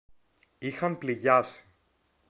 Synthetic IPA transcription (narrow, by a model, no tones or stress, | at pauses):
ixɐmpliʝɐsi̥